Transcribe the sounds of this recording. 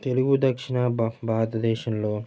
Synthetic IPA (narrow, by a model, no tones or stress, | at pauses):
t̪eluɡud̪ɐkʂiɳɐbaːt̪ɐd̪ɛːʃɐnloː